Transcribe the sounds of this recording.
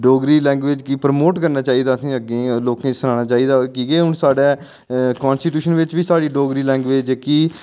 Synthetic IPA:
ɖoːɡɾiːlɛ̃ːŋɡʋeːd͡ʒkipɾmoːʈkəɾnaːt͡ʃaːiːd̪aːəsĩːəɡẽːloːkẽːsənaːɽ̃aːt͡ʃaːiːd̪aːkiːɡeːɦʊɳsaːɖɛː | kɔːnsʈiːʈjuːʃənʋɪt͡ʃʋiːsaːɽiːɖoːɡɾiːlɛ̃ːŋɡʋeːd͡ʒkiː

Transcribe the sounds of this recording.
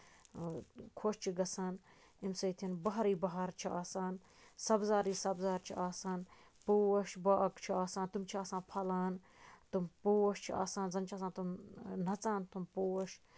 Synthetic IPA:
kʰoːʃt͡ʃʰiɡɐsaːn | imsɐjt̪ʰinbɐɦɾiːbɐɦɐɾt͡ʃʰiaːsaːn | sɐbzaːɾiːsɐbzaːɾt͡ʃʰiʔaːsaːn | puːwɐʃbaːkt͡ʃʰiaːsaːnt̪umt͡ʃʰiaːsãːnpʰɐlaːn | t̪umpoːwɐʃt͡ʃʰia̰ːsaːnzɐnt͡ʃʰaːsaːnt̪umnɐt͡saːnt̪umpuːwɐʃ

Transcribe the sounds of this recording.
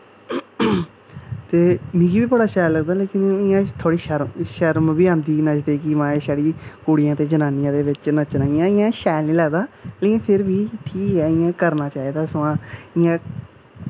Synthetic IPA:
t̪eːmĩːɡiːbiːbəɽaːʃɛːləɡd̪aːleːkɪnɪjãːt̪ʰoːɽiːʃəɾmʃəɾmbiːãːnd̪iːnət͡ʃd̪eːkimãːeːʃaːɽiːkuːɽɪjãːt̪eːd͡ʒənaːnɪjãːd̪eːʋɪt͡ʃnət͡ʃnaːɪjãːɪjãːʃɛːlnĩːləːɡd̪aːleːkɪnpʰɪɾbiːʈʰiːkɦɛːɪjãːkəɾnaːt͡ʃaːiːd̪aːsãːɪjãː

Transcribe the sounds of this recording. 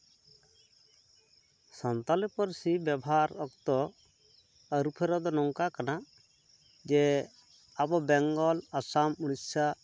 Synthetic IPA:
sɔnt̪alɛpɔɾsibɛbaɾɔkt̪ɔ | əɾupʰɛɾɔd̪ɔnɔŋkakana | d͡ʒɛ | abɔbɛŋɡɔlasamuɽ̃isa

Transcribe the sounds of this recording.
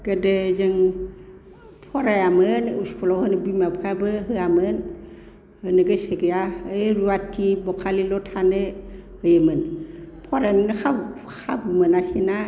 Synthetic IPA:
ɡ̥adezɯŋ | pʰɔɾajamɯnuskʰɔlɔwhɯnɯbimapʰabɯɦɯamɯn | hɯnɯɡɯseɡejaɯɾuatʰibɔkʰalilɔtʰanɯhɯjɯmɯnpʰɔɾannkʰa | kʰabumɯnasina

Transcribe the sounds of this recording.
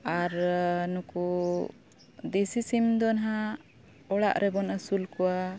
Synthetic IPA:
aɾnuku | d̪isisimd̪ɔnɦa | ɔɽa̰ʔɾʔɛbɔnəsulkɔwa

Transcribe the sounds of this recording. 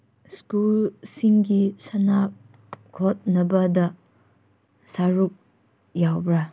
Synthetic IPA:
skulsiŋɡisɐnak̚ | kʰot̚nɐbɐdɐ | saɾuk̚ | jawbɾɐ

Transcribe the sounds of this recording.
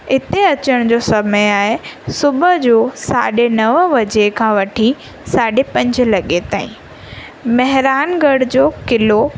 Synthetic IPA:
ɪt̪eɐt͡ɕəɽ̃d͡ʑoːsɐməjaːɦesʊbəd͡ʑoːsaːɗenɐʋʋɐd͡ʑekʰãːʋɐʈʰi | saːɖepɐ̃ɲd͡ʑlɐɠet̪aːĩ | mɐɦɾaːnɡɐɽd͡ʑoːkɪlo

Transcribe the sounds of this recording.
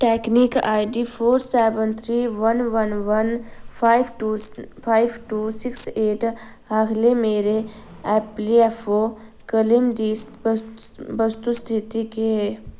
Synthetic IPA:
ʈɛːknika̰ːɪɖipʰoːɾsɛːʋənt̪ʰɾiːʋənʋənʋənːɪʈupʰaːɪbʈuːsɪkseːʈ | aːkʰlemeːɾe | ɛːpliɛfʰo | kəlɪmɖi | bəst̪ust̪ʰɪt̪ikee

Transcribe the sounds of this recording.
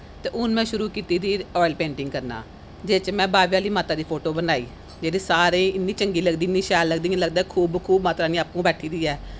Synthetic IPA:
t̪eːʔʊnmɛ̃ːʃʊɾuːkiːt̪iːt̪ʰiːɔːɪlpẽːɳʈɪŋɡkəɾna̰ː | d͡ʒeːt͡ʃmɛ̃ːbaːʋjaːliːmaːt̪aːd̪iːpʰoːʈoːbənaːḭː | d͡ʒeːd̪iːsaːɾẽːɪnːiːt͡ʃəŋɡiːləɡd̪iːnːiːʃɛːlləɡd̪iːãləɡd̪aːɛkʰuːbkʰuːbmaːt̪ɾaːnĩːapːũːbɛːʈʰiːd̪iːɛː

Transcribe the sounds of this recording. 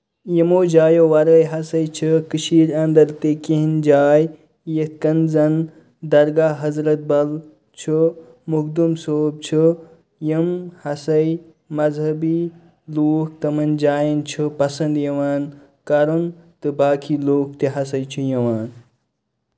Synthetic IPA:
jəmoːd͡ʒaːjoʋɐɾəjɦɐsɐjt͡ʃʰɨkɨʃiːɾɐnd̪ɐɾt̪ekiɦind͡ʒaːj | jetkɐnzɐn | d̪ɐɾɡaːɦɐzɾɐt̪̚bɐl | t͡ʃʰu | mukd̪umsoːb̚t͡ʃʰu | jəmhɐsɐj | mɐzɦɐbi | loːk̚ʰt̪ɐmɐnd͡ʒaːjɐnt͡ʃʰɨpɐsɐnd̪jɐʋaːn | kɐɾunt̪ɨbaːkʰiːloːk̚t̪eɦɐsɐjt͡ʃʰujɐʋaːn

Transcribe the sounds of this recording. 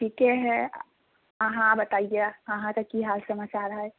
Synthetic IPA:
ʈʰiːkeɦɛ | ɐɦãbɐt̪aːieɐɦãt̪ɐkːiɦalsɐmaːt͡ʃaːɾɦɛː

